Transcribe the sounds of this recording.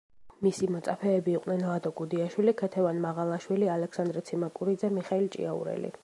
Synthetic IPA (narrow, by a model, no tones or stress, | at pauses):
misimɔt̪sʼapʰɛːbiːqʼnɛnlˠad̪ɔɡud̪iaʃwilikʰɛt̪ʰɛvanmaʁalˠaʃwilialɛksand̪ɾɛt̪sʰimakʼuɾid̪zɛmiχailt͡ʃʼḭaṵɾɛ̰lḭ